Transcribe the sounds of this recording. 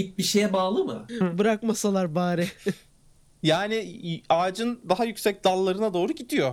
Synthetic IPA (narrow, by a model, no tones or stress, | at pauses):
ip̚biʃejɛbaːlˠɯmɯ̰bɯɾakmasalˠaɾbaːɾɛ | jaːnɪaːd͡ʒɯnd̪aɦajycsɛc̚d̪alˠːaɾɯnad̪o̞ːɾuɟid̪ijo̞